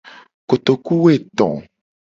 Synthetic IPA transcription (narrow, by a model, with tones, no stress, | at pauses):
ko˨t̪o˨ku˦we˦˨t̪ɔ̰̃˨